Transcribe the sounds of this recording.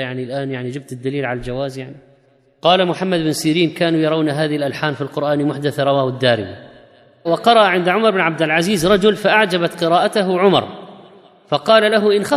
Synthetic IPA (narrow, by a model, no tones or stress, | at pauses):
jaʕnilʔaːnjaʕnid͡ʒɪb̚t̪ɪd̪ːaliːlʕalald͡ʒawaːzjaʕni | qɑːlamʊħamːad̪bɪnsiːɾiːnkaːnujɑɾˤɑwnaɦaːðɪhlʔalħaːnfilqʊɾʔaːnmʊħd̪aθaɾˤɑwaːhʊd̪ːaːɾɪ̰ma | wɑqɑɾˤɑʔʕɪnd̪ʕʊmɑɾˤbɪnʕab̚d̪ɪlʕaziːzɾˤɑd͡ʒʊlfaʔaʕd͡ʒabat̪qɨɾaːʔat̪aɦʊʕʊmɑ̰ɾˤ | fɑqɑːlalaɦʊʔɪnxɑ